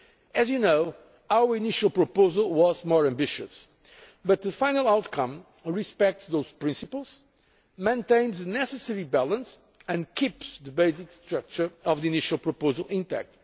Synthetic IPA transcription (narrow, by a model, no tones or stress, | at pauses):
ɨzjɨnoʊ | awəɹiniʃəlˠpɹopoʊzəlˠwɔzmɔɹæ̃mbɪʃɨs | bʌt̪̚ðɨfãɪ̃nəlˠawt̪kʰʌ̃m | ɹispɛk̚tsðoʊz̥pɹĩnsɨpəlˠz̥ | mẽɪ̃ntẽɪ̃nzðɨnɛsɨsɛɹibɛlˠə̃ns | ɨ̃nkʰipsðɨbeɪzikst̪ɹak̚t͡ʃə˞ɔvðiiniʃəlˠpɹopoʊzəlˠʔɪ̃ntɛ̰k̚t̚